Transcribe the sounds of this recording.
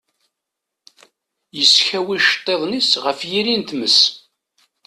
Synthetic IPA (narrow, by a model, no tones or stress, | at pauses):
jəsçæwiʃt̪ˤːeðˤnisʁəfjiɾint̪məs